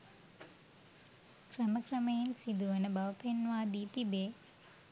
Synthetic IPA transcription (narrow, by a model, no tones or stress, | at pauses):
krəməkrəmejinsid̪uʋənəbɐʋəpʰenʋaːd̪iːt̪ibeː